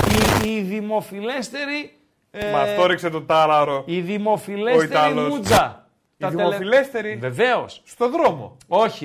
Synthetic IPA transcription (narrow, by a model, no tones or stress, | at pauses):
iiðimo̞file̞st̪e̞ɾi | mɐft̪oɾikset̪ot̪ɐlɐɾoiðimo̞fileoit̪ɐlosud͡zɐ | t̪ɐiemoilest̪eɾive̞ve̞o̞sst̪oðɾomo̰ | o̞çi